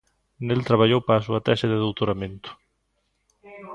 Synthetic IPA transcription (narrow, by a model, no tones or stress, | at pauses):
nelt̪ɾaβ̞aʎowpaːsuat̪aʃaðɪðowt̪oɾamẽnt̪ʊ̥